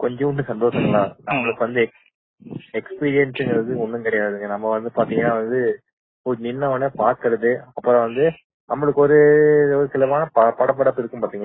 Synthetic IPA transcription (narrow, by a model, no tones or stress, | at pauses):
kɔɲd͡ʒɔ̃ʊɳɖɯsɐnd̪oːsɐŋɡɐɭaːnɐmːɐɭɯkːɯʋɐnd̪ɯ | ɛkspiːɾɪjɐnsɯŋɡɐɾɐðɯɔnːɯŋkɪɽɐjaːððɯŋɡɐnɐmːɐʋɐnd̪ɯpaːɾt̪iːŋɡɐnːaːʋɐnd̪ɯ | ɔɾɯnɪnːɐɐnːeːpaːɾkɐɾɐðɯɐpːɯɾɐ̃ʋɐnd̪ɯ | nɐmːɐɭɯkːɯɔɾɯɔɾɯkɪlɐʋaːnɐppɐɽɐp̬ːɐɽɐpːɪɾɯkːɯ̃mpaːɾt̪iːŋɐ